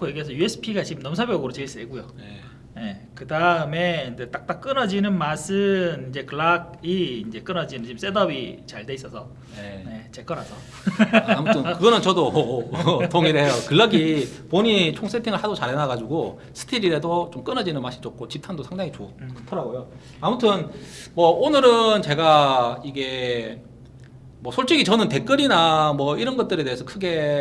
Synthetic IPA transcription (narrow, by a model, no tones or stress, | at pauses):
kʰojeɡiɦesʰʌjue̞sʰɯ̥pʰiɡat͡ɕimnʌmsʰabjʌɡɯɾot͡ɕeɭs͈eɡujone | ne̞kɯdaɯme̞ind͡ʑe̞t͈ak̚t͈ak͈ɯnʌd͡ʑinɯnmasʰɯnind͡ʑe̞kɯɭaɡ̚ | iːnd͡ʑe̞k͈ɯnʌd͡ʑinɯnt͡ɕims͈e̞dʌbit͡ɕaɭdeis͈ʌsʰʌ | ene̞t͡ɕe̞k͈ʌɾɦasʰʌ | amutʰɯmkkɯɡʌnɯnt͡ɕʌdo | toŋiɾejokɯɭːʌɡipoɲit͡ɕʰoŋs͈etʰiŋɯɭhadot͡ɕaɾɦenaɡad͡ʑuɡo | sʰɯ̥tʰiɾiɾedot͡ɕomk͈ɯnad͡ʑinɯnmaɕʰi̥t͡ɕʌk̚k͈ʰot͡ɕip̚tʰandosʰaŋdaŋit͡ɕok͈ɯtʰʌɾaɡojo | amutʰɯnmʌonɯɾɯnt͡ɕe̞ɡaiɡe̞ | mʌsʰoɭt͡ɕ͈iɡit͡ɕʌnɯnte̞k͈ɯɾinamwʌiɾʌnɡʌt̚t͈ɯɾe̞te̞ɦesʰʌkʰɯɡe̞